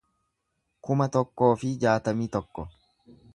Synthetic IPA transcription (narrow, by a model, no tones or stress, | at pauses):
kʊmɐt̪ɔkːo̞ːfɪd͡ʒaːt̪ɐmiːt̪ɔkːɔ